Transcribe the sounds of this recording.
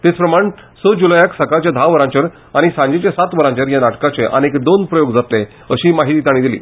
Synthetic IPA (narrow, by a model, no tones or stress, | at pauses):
t̪et͡spɾəmaɳsəd͡ʑulajaksəkat͡ɕjad̪ʱaʋəɾãɲt͡ɕəɾ | aɽ̃isãɲd͡ʑet͡ɕjasat̪ʋəɾãɲt͡ɕəɾjanaʈkat͡seʔə̰nekd̪onpɾəjoɡd͡zat̪le | əɕiːmaɦit̪iːt̪aɽ̃ĩd̪ilḭː